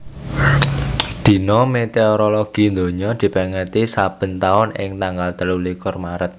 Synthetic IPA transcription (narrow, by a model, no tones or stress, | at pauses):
d̪̥i̤nɔmet̪eoɾoloɡ̥i̤nd̪o̤ɲɔd̪̥i̤pɛŋət̪isab̥ə̤nt̪aʊnɪ̰ŋt̪aŋɡalt̪əlulikɔrmaɾət̪̚